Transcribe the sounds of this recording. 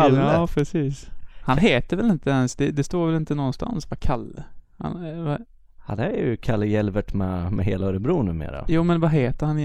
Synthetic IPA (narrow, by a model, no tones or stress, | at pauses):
aːpʰɾɛsiːshanɦeːt̪əɾvɛlɪnt̪əɛnsd̪ɛd̪ɛst̪oːɾvɛlɪnt̪ənɔnːst̪ʰa̰nsvakʰalːha̰nva | ha̰nd̪æjɵkʰalːəjɛlvəʈmɛmɛɦḛːlaɾəbɾuːnʉ̟ːmḛːɾa̰juːmɛnvaɦeːt̪əɾhan